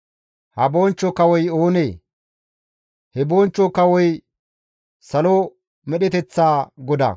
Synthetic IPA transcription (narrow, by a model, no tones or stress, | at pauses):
hɐbo̞ːnt͡ʃːɔkɐwɔjoːneː | hɛboːnt͡ʃːɔkɐwɔj | sɐlo | mɛɗɛt̪ɛt͡sːaːɡɔd̪ɐ̰